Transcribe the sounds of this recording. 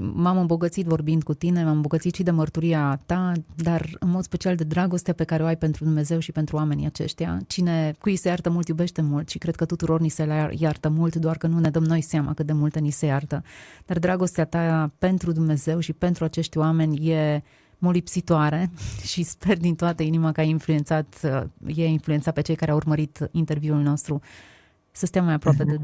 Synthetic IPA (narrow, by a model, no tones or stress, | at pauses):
mamɨmbo̞ɡət̪sit̪vo̞rbind̪̚kut̪ine̞mamɨmbo̞ɡət̪sit̪ʃid̪e̞mərt̪uɾiat̪ad̪arɨ̰nmo̞d̪spe̞t͡ʃiald̪e̞d̪ɾaɡo̞st̪eape̞kaɾeoajpe̞nt̪ɾud̪umneze̞wʃipe̞nt̪ɾuame̞nḭjat͡ʃe̞̰ʃt̪ija̰t͡ʃine̞kujisejart̪əmult̪jube̞ʃt̪e̞mult̪ʃikɾekət̪ut̪uɾo̞rniseljart̪əmult̪d̪oarkənune̞d̪əmno̞jseama̰kəd̪e̞mult̪e̞nise̞jart̪əd̪̥ard̪ɾaɡo̞st̪eat̪ape̞nt̪ɾud̪umne̞ze̞wʃipe̞nt̪ɾuat͡ʃe̞ʃt̪ʲwame̞nʲje̞ | molipsit̪oaɾe̞ʃispe̞rd̪int̪oat̪əinimakəajinfluje̞nt̪sat̪jeinfluent̪sat̪̚pe̞t͡ʃe̞jkaɾeaurməɾit̪int̪e̞rvjiulno̞st̪ɾu | səst̪eamːajapɾoape̞d̪e